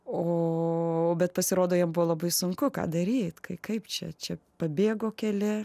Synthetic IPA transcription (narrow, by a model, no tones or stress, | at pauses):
oːobʲɛt̪pɐsʲɪɾoːd̪oːjɛmbʊʋolˠɐbɐɪsʊŋkʊkɑ̰ːd̪ɐɾʲiːt̪kɐɪkɐɪpt͡ʃʲɛ̰t͡ʃʲɛpɐbʲeːɡoːkʲɛlʲɪ